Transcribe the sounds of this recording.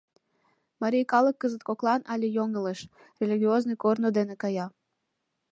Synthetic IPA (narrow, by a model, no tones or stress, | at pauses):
mɑɾʲijkɑləkːəzət̪̚koklˠɑnʔɑlʲejoŋəleʃ | rʲelʲiɣʲioznojkornod̪enekɑjɑ